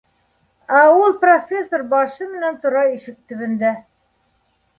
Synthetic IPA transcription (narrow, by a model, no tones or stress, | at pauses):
æulˠprofʲesːorbɑʃɤmɘ̆nænt̪ŏɾɑiʃɘk̚t̪ɵ̆βɘ̆nd̪æ